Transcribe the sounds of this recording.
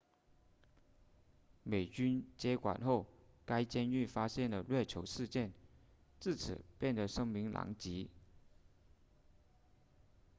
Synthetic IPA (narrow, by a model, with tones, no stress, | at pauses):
me˨˩ɪt͡ɕy˥nt͡ɕjɛ˥kwa̰˨˩nxo˥˩ʊka˥ɪt͡ɕjɛ˥ny˥˩fa˥ɕjɛ˥˩nd̪ə˩lɥɛ˥˩t͡ɕʰjo˧˥ʊʂɻ̩˥˧t͡ɕjɛ˥˩n | t͡sɹ̩˥˩t͡sʰɹ̩̰˨˩pjɛ˥˩nd̪ə˩ʂɤ˥ŋmi˧˥ŋlʔɑ̰˧˥ŋt͡ɕi˧˥